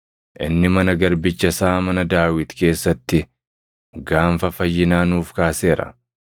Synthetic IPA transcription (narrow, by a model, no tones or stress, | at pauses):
ʔɪ̰nːɪmɐnɐɡɐɾbɪt͡ʃːɐsaːmɐnɐd̪aːwɪt̪ke̞ːsːɐt̪ːɪ | ɡaːɱfɐfɐjːɪnaːnuːfkaːse̞ːɾɐ̰